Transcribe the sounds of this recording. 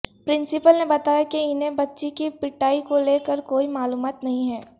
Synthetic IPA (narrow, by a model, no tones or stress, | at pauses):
pɾɪ̃nsɪpəlnebɐt̪aːjakiɪnebɐtːʃikipɪʈːaːikoleːkəɾkoːimaːluːmaːt̪nɐɦĩɦɛː